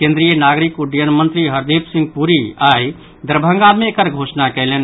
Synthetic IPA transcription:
kẽnd̪ɾijənaɡɾikuɖjənmənt̪ɾiɦəɾd̪ipsĩŋɡpuɾiaj | d̪əɾbʱə̃ŋɡamekəɾɡʱosnakɛjlen

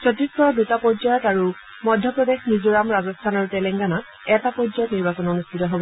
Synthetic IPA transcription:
sɔtiskɔɹdutapɔd͡ʒɔjɔtaɹu | mɔdʱjɔpɹɔdexnizɔɹamɹazɔstʰanɔɹutɛlɛŋɡana | ɛtapɔd͡ʒzɔjɔtniɹbasɔnonustʰitɔɦobɔ

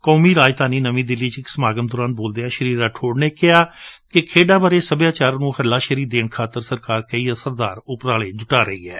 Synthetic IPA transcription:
koːmiːɾaːd͡ʒt̪aːniːnəmĩːd̪ɪlːiːt͡ʃɪksəmaːɡəmd̪ɔːɾaːnboːld̪eːãːʃəɾiːɾaːʈʰoːɽneːkɪɦaːkɪkʰeːɖaːbaːɾeːsəbjaːt͡ʃaːɾnũːhəɾlaːʃəɾiːd̪eːɳkʰaːt̪əɾsəɾkaːɾkəiːəsəɾd̪aːɾʊpɾaːleːd͡ʒʊʈaːɾəɦḭːɛː

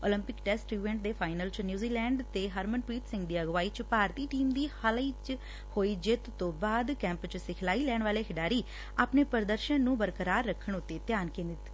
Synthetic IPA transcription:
oːlɪ̃mpɪkʈɛːsʈiːʋɛ̃ːɳʈ̚d̪eːpʰaːɪnəlt͡ʃnjuːziːlɛːɳɖt̪eːɦəɾmənpiːʈ̪sɪ̃ŋɡd̪iːəɡʋaːiːt͡ʃpaːɾt̪iːʈiːmd̪iːhəliːt͡ʃ | hoːiːd͡ʒɪt̪t̪õːbaːd̪kɛ̃ːmpt͡ʃsɪkʰlaːiːlɛːɳʋaːleːkʰɪɖaːɾiː | aːpneːpəɾd̪əɾʃənːũːbəɾkəɾaːɾːəkʰːəɳʊt̪ːeːt̪jaːnkẽːnd̪ɪt̪

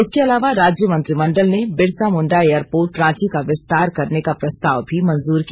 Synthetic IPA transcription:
ɪskeɐlaːʋaɾaːd͡ʒjəmɐ̃nt̪ɾimɐ̃ɳɖəlnebɪɽsamʊ̃ɳɖaejəɾpoːɾʈɾãːt͡ʃikaʋɪst̪aːɾkɐɾnekapɾɐst̪aːʋbʱimɐ̃nzuːɾki

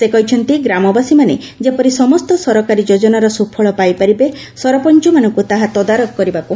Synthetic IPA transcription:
sekɔɦit͡ʃʰɔnt̪iɡɾamɔbasimane | d͡ʒepɔɾisɔmɔst̪ɔsɔɾɔkaɾid͡ʒod͡ʒɔnaɾɔsupʰɔɭɔpajpaɾibe | sɔɾɔpɔnt͡ʃumanɔŋkut̪aɦat̪ɔd̪aɾɔkɔkɔɾibaku

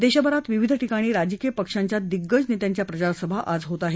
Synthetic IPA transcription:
d̪eɕabəɾat̪ʋiʋid̪ʱəʈikaɽ̃iːɾad͡ʑəkijəpəkʂaɲt͡ɕjad̪iɡːəd͡znet̪jaɲt͡ɕjapɾət͡ɕaɾsəbʱaʔʔad͡zɦot̪aɦe

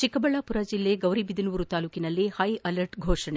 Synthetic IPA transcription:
t͡ʃikɐbɐɭɐpuɾɐd͡ʒilːe̞ːɡɐwɾibid̪ʱinuʋuɾut̪aːluːkinɐlːihɐjɐlɐɾʈɡʱoːʂɐɳe

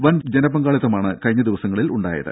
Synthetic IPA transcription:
ʋɐnd͡ʑenɐbɐŋɡaːɭɐt̪ːɐmaːɳɨkɐɻɲːɐd̪iʋɐsɐŋːɐɭiluɳɖa̰ːjɐ̰ðɨ̰

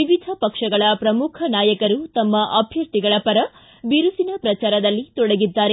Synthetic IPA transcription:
iʋid̪ʱɐpɐkʂɐɡɐɭɐpɾɐmukʰɐnaːjɐkɐɾut̪ɐmːɐʔɐbʱjɐɾt̪iɡɐɭɐpɐɾɐ | ʋiɾusinɐpɾɐt͡ʃaːɾɐd̪ɐlːit̪ɔɽɐɡid̪ːaːɾe

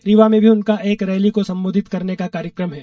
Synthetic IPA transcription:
ɾiʋamẽbʱiʊnkaʔeːkɾɛːlikosɐ̃mboːd̪ʱɪt̪kɐɾnekakaːɾjəkɾəmɦɛː

